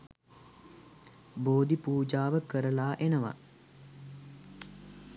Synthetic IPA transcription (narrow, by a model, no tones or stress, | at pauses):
boːd̪ipuːd͡ʒaːʋəkəɾəlaːʔenəʋa̰